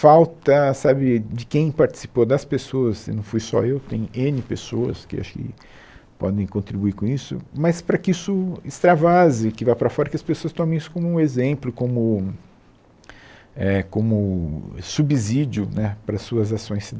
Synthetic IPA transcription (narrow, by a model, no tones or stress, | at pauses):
fawt̪ɐsabɪd͡ʒɪkẽj̃paɾt͡ʃi̥si̥pod̪ɐspesoɐsɪ̰nɐ̃w̃fujsɔ̰ewt̪ḛ̃j̃ɲʊẽnɪpesoɐ̰skɪ̰a̰ʃʊ̥kɪ̰ | pɔ̰d̪ẽj̃kõnt̪ɾibuiɾkõisʊ̰mɐspɾɐkɪisʊɪst̪ɾavazɪkɪvajpɾɐfɔɾɐkɪɐspesoɐst̪õmẽisʊ̥kõmʊũezẽmplʊkõmʊ | ɛkõmʊsubizid͡ʒʊnɛpɾɐsːuɐzasõj̃sid̪